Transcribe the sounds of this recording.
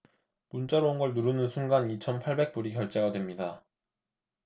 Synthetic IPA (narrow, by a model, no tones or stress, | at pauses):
munt͡ɕ͈aɾounɡʌɭnuɾɯnɯnsʰuŋɡanit͡ɕʰʌnpʰaɭbe̞k̚p͈uɾikjʌɭt͡ɕ͈e̞ɡadwe̞mɲida